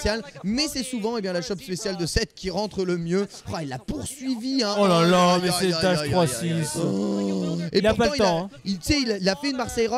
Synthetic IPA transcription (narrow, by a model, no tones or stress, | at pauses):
sjalmɛsɛsuvɑ̃ebjɛ̃laʃɔpspesjald̪əsɛt̪̚kʲiʁɑ̃t̪χələmjø | failːapuʁsɥiviɛ̃ɔlalamɛsɛt̪aʃχwasis | enaɔʁtpal̃it̪ɑ̃isɛililafɛynmaʁsɛjʁɔ